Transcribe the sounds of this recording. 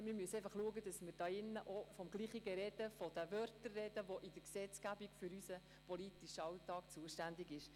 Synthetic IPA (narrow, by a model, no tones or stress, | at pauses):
mɪɾmyəsɛɪfɑχluəɡəd̥ɑsməɾd̥ɑːɪnːəʔofɔmɡ̥liːχiɡəɾɛd̥əfɔd̥əʋœrtərːɛdəʋoʔɪd̥əɾksɛt͡sɡ̥æbiɡfyɾysə | pɔlitiʃəɑwtɑːkt͡suəʃtænd̪ɪɡɪʃ